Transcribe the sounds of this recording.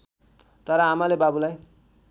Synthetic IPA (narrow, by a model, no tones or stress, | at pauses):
t̪ʌɾʌɦamalebabulaj